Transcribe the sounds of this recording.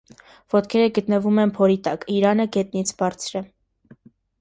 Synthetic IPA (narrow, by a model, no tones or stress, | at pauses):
vɔt̪kʰɛɾəɡət̪nəvumɛnpʰɔɾit̪ɑkiɾɑnəɡɛt̪nit͡sʰbɑɾt͡sʰɾɛ